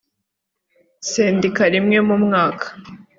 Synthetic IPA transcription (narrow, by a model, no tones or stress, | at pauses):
seːndikaɾimŋe̞mumŋaːkʰḁ